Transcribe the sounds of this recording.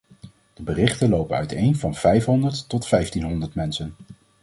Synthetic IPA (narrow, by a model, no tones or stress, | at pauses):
d̥əbərɪχtənlowpənœ̰ɥtejnvɑnv̥ɛjfɦɔndəɹtːɔtfɛjftinɦɔndəɹtmɛnsən